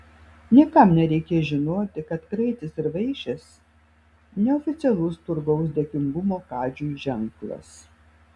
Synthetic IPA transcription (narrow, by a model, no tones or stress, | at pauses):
nʲɪkɐmnʲɛɾʲɛɪkʲeːjʒʲɪnoːt̪ʲɪkɐt̪kɾɐɪt̪ʲɪsɪɾʋɐɪʃʲɛs | nʲɛɔfʲɪt̪sʲɛlˠʊst̪ʊɾɡɐʊs̬d̪ʲeːkʲɪŋɡʊmoːkɑːd͡ʒʲuːʒʲɛŋklˠɐ̰s